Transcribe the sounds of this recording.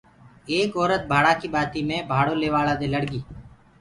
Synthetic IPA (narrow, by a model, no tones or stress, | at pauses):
eːkɔːɾət̪̚bʱaːɽaːkiːbaːt̪iːmẽːbʱaːɽoːleːʋaːlaːd̪eːləɽɡiː